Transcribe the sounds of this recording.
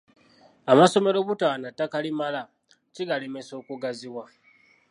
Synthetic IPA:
amaso̞me̞ɾo̞βutaːnatːakalimala | ciɡale̞me̞so̞ːkuɡaziwa

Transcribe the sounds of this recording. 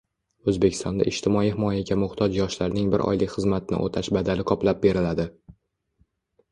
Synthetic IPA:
ɵzbekʲʰɪst̪ɒ̰nd̪a̰ʔɪʃt̪ʰɪmɒiɦɪmɒjaɡʲamʊχt̪ʰɒd͡ʒjɒʃlaɾnɪŋbɪɾʔɒ̰jlɪkʲχɨzmat̪̚nɪ̰ʔo̰t̪ʰaʃbad̪alɪkʰɒplap̚be̞ɾɪlad̪ɪ

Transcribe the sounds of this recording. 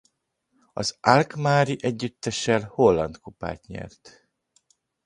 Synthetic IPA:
ɒzalkmaːɾiʔɛɟːyt̪ːɛʃɛlho̞lːɒnt̪kupa̰ːt̪ɲɛ̰rt̪

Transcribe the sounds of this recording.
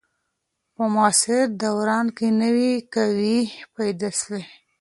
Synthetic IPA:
pəmɑsɪɾd̪awɾɑnkenəwikawipajd̪asle

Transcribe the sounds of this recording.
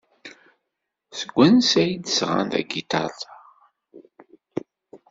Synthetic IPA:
səɡʷːænsæjid̪əsʁa̰nt̪æ̰ɡit̪ɑ̰t

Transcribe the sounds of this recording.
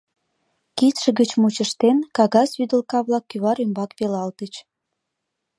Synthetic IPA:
kit̪ʃə̆ɣət͡ɕmut͡ɕəʃt̪enkɑɣɑsβyd̪ə̆lkɑβlɑkːyβɑɾymbɑkβelɑlt̪ət͡ɕ

